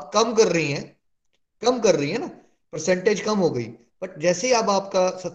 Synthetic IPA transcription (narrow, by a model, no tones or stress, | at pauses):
pkɐmkɐɾːɐɦiɦɛ̃ː | kɐmkɐɾːɐɦiɦɛ̃ːnaː | pɐɾsɛ̃ɳʈeːd͡ʒkɐmɦoːɡɐḭː | pɐʈ̚d͡ʒɛːseɦiaːbaːp̚kasɐt̪